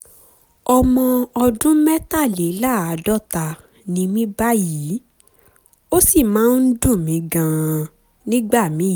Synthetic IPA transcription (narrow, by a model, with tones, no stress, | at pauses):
ɔ˧mɔ̃˧ɔ˧dũ˦mɛ˦ta˦˨le˨˦la˦˨a˨˦dɔ˦ta˧ | nĩ˧mĩ˦ba˦ji˨˦ | o˦si˦˨mãː˨˦n̩˦dũ˦˨mĩ˧˦ɡã˨ | nĩ˦ɡ͡ba˦˨mĩ˨˦˨